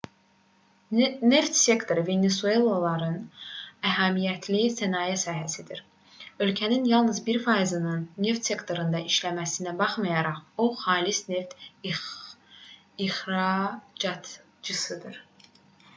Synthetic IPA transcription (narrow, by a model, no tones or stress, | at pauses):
ne̞ft̪sʲe̞kt̪ʰo̞ɾɯve̞nesue̞lˠolˠɑɾɯnæɦæmijæt̪ʰlisænɑːjæsɑːɦæsid̪iɾ | ø̞lcʰæninjɑlˠnɯzbiɾfɑːizɯnɯnːe̞ft̪sʲe̞kt̪ʰo̞ɾɯnd̪ɑiʃlæmæsinæbɑχmɑjɑɾɑʁoχɑːlisne̞ft̪ | ixɾɑd͡ʒɑt̪ | d͡ʒɯsɯd̪ɯɾ